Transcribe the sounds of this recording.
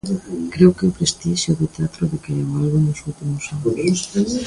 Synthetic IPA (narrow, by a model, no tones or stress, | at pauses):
kɾewkeʊpɾest̪iʃjʊðet̪eat̪ɾʊðekeʎewalβunʊsuwt̪imʊsan